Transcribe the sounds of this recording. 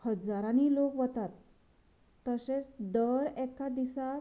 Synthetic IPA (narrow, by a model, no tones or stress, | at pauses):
həd͡zaɾanilokʋət̪at̪ː | əset͡sd̪əɾɛkːad̪isa